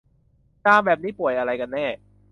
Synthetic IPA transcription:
kaː˧˩bɛː˨˩p̚niː˦˥pu˨˩əjʔa˧ɾa˧jka˧nːɛː˥˩

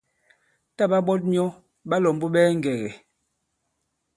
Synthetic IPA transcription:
ta˦ɓa˦ɓɔ˦t̬̚njɔ˦ | ɓa˦lɔ˨m˦bu˦ɓɛː˦ŋ˨ɡɛ˨ɣɛ˨

